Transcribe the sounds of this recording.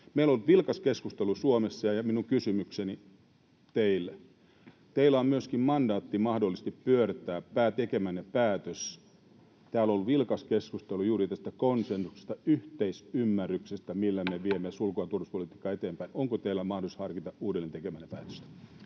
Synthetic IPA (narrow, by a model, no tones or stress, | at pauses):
meiloolt̪ʋilkɑskeskust̪elusuomesːɑjɑjɑminuŋkysymykseni | t̪eilːe | t̪eilːˑæommyøskimmɑndɑːt̪ːimɑhdolːˑist̪ippyørt̪æːpæːt̪ekemænːepæːt̪øs | t̪æːololʋilkɑskeskust̪elujuːrit̪æst̪ækonsensu̥kse̥st̪æyht̪eisymːæryksest̪æmilːæmeʋiemesulkoɑt̪uoruspolit̪iːkːɑet̪eːmpæinoŋkot̪eilːæmɑhdosushɑrkit̪ɑuːdelːent̪ekemænːepæ̰ːt̪ø̥st̪